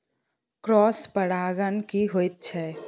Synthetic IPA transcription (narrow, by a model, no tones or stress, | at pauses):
kɾɔːspəɽaːɡənkiɦoːit̪̚t͡ʃʰɛː